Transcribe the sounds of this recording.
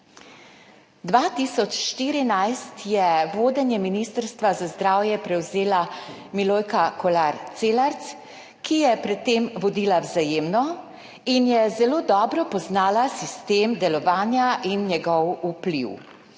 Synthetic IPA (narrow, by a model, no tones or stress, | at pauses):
d̪ʋaːt̪isɔt͡ʃʃt̪iːɾinajst̪jɛʋoːd̪ɛnjɛminiːst̪əɾst̪ʋazazd̪ɾaːwjɛpɾɛwzeːlamiloːjkakɔlaɾt̪seːlaɾt̪s | kijɛpɾɛt̪ːeːmʋɔd̪iːlawzajeːmnɔ | injɛzɛloːd̪ɔːbɾɔpɔznaːlasist̪eːmd̪ɛlɔʋaːnjaʔinjɛɡɔwuplḭw